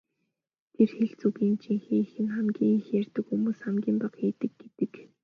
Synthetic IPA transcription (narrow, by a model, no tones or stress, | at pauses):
t̪ʰerxeɮt͡suɣiːnt͡ɕʰiŋxiːxɘ̆nχamɡʲiːŋixjærʲt̪ɘ̆kxumuːsχamɡʲiːmpaqiːt̪ɘ̆ɡɡet̪ɘ̆k